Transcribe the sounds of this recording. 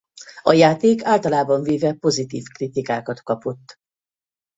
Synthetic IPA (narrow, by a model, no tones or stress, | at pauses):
ɒjaːt̪eːkaːlt̪ɒlaːbɒɱveːvɛpo̞zit̪iːfkrit̪ikaːkɒt̪kɒpo̞t̪ː